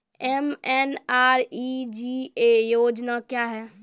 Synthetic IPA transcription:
ɛmɛnaɾid͡ʒiejoːd͡ʒnakjaɦɛː

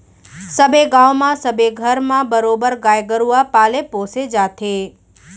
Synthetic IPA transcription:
səbeɡãʋmãsəbeɡʱəɾmãbəɾobəɾɡajɡəɾuapaːlepõsed͡ʒat̪ʰe

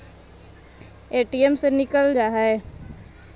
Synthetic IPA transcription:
eːʈiemsenɪkəld͡ʒaːɦɛe

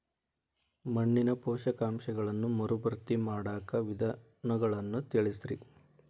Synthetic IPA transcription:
mɐɳːinɐpɔːʃɐkaːmʃɐɡɐɭɐnːumɐɾubɐɾt̪imaːɽaːkɐʋid̪ʱɐ | nɐɡɐɭɐnːut̪iɭisɾi

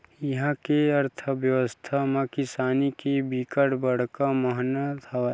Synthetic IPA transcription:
jɐɦãkeɐɾt̪ʰəbjəʋəst̪ʰamãkɪsaːnikebikəʈbəɽ̤kaməɦnət̪ʰɐa

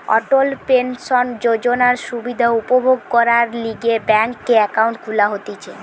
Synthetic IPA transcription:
ɔ̰ʈolpensond͡ʑod͡ʑonaɾʃubid̪ʱaupobʱoɡ̚kɔɾaɾliɡebɛŋkːeɛkawɳʈkʰulaɦot̪it͡ɕʰe

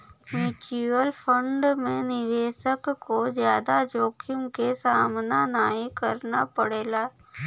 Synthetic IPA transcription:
mjuːʈuəlfʰə̃ɳɖmẽnɪʋeːʃəkkːozjaːd̪ad͡ʒoːkʰɪʊmkesaːmnanaːɦikɐɾnapɐɽeːlaː

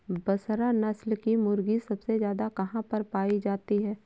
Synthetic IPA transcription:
bɐsɾanɐslkimʊɾɡisɐbsezjaːd̪akɐɦãpɐɾpaːid͡ʒaːt̪iɦɛː

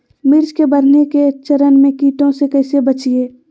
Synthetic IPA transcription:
mɪɾd͡ʒkebəɾneket͡ʃəɾənmẽkiːt̪õsekɐɪsebət͡ʃieː

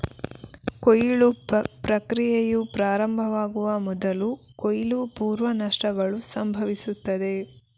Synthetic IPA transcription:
kojiɭupɾɐkɾijejupɾaːɾɐmbʱɐʋaːɡuʋɐmɔd̪ɐlukojilupuːɾʋɐnɐʂʈɐɡɐɭusɐmbʱɐʋisut̪ːɐd̪e̞

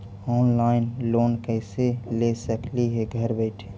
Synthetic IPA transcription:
ɔːnlaːɪnloːnkɛɪselesəkliɦeɡʱɐɾbɛːʈʰe

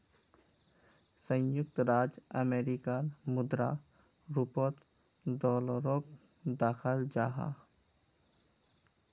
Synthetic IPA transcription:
sə̃jʊk̚t̪ɾaːd͡ʒəmeːɾikanmʊd̪ɾa̰ | ɾupot̪ | ɖɔːləɾoːk̚ | d̪aːxʰəld͡ʒaːɦa̰

